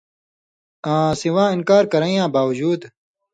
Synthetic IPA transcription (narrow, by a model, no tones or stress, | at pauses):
ãːsiwãːɪnkaːɾkɐɾɐ̃ĩjãːbaːwɐd͡ʑuːd̪